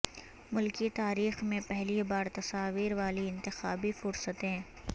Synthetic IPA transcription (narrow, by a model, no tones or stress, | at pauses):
mʊlkit̪aːɾiːxmẽpɛɦlibaːɾt̪ɐsaːʋiːɾʋaːliɪ̃nt̪ɪxaːbifʊɾsət̪ɦɛ̃ː